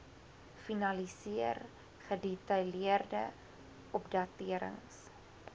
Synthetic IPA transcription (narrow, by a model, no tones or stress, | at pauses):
finɐlisiər | χədɛtɐjliərdə | ʔɔpdɐtiəɾə̰ŋs